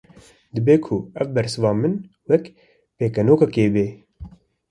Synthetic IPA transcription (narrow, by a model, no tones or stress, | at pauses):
d̪ɨbeːkʰʊɛvbɛɾsɨvɑːmɨn | wɛk | peːkɛnoːkɑkeːbeː